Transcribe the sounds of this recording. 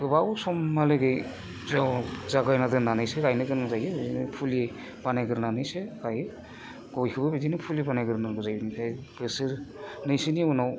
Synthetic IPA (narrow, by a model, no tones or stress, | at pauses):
bɯbawsɔmːalɯɡɯj | zawzaɡajnadɯnanɯjsekajnɯɡɯnɯŋzajɯbɯzinɯpʰuli | banajɡɯɾnanɯjsekaj | ɡ̥ɔjkʰɯbɯbidinɯpʰulibanajɡɯɾnɯɡɯzajbɯnikʰajbɯsɯɾnɯjsiniunaw